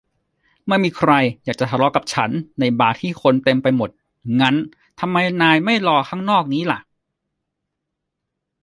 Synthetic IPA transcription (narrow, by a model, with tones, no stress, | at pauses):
ma˥˩miː˧kʰɾa˧jjaː˨˩k̚t͡ɕa˨˩t̪ʰa˧lɔ˦˥ka˨˩p̚t͡ɕʰa˦˥nːa˧jbaː˨˩t̪ʰiː˥˩kʰo˧nt̪e˧mpa˧jmo˨˩t̪̚ | ŋa˦˥n | t̪ʰa˧mːa˧jnaː˧jma˥˩jlɔː˧kʰaː˥˩ŋnɔː˥˩k̚niː˦˥la˨˩ʔ